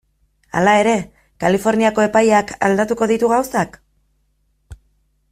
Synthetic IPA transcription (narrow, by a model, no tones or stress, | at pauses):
a̰lae̞ɾe̞ | kalifo̞ɾniako̞e̞pajaka̰ld̪at̪uko̞ðit̪uɣawsak